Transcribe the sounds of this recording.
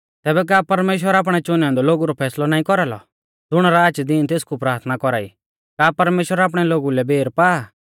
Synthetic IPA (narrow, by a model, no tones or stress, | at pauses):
t̪ɛːbɛk̬aːpɐɾmeːʃ̬wəɾaːp̬ɽ̃ɛt͡ʃʊnãnd̪ɔloːɡuɾɔpʰɛːslɔnaːĩkɔɾalɔ̰ | d͡zʊɽ̃aɾaːt͡ʃd̪iːnt̪eːskupɾaːɾt̪ʰnakɔɾaːḭ | kaːpɐɾmeːʃwəɾaːp̬ɽ̃ɛloːɡulɛbʱeːɾpaː